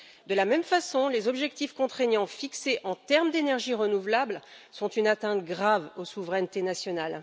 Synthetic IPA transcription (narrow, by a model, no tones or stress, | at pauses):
d̪əlamɛmfasɔ̃lezɔbʒɛkt̪ifkɔ̃t̪χeɲɑ̃fikseʔɑ̃t̪ɛʁmd̪enɛʁʒiʁənuvlablsɔ̃t̪ynat̪ɛ̃t̪ɡʁavosuvʁɛnt̪enasjɔnal